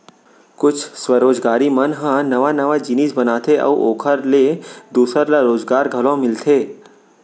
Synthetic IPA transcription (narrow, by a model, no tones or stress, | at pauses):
kʊt͡ʃʰsʋəɾoːd͡ʒɡaːɾimənɦãnəʋanəʋad͡ʒɪniːsbənaːt̪ʰeʔə̰uʔoːkʰəɾled̪uːsəɾlaɾoːzɡaːɾɡʱəlõmɪlt̪ʰeː